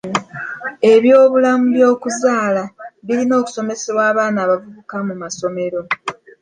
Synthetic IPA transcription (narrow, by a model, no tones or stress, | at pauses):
e̞βjo̞ːβulamuβjo̞ːkuzaːlaβilino̞ːku̥so̞me̞seβwaːβaːnaːβavuβukamumaso̞me̞ɾo̞